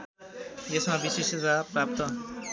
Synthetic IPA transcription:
jesmabisesʌzapɾap̚t̪ʌ

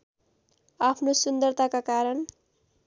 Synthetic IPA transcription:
apʰnosund̪ʌrt̪akakaɾʌn

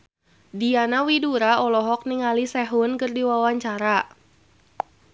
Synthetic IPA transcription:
dianawiduɾaɔlɔɦɔk̚niŋalisɛɦʊnkɨrdiwawaɲt͡ʃaɾa

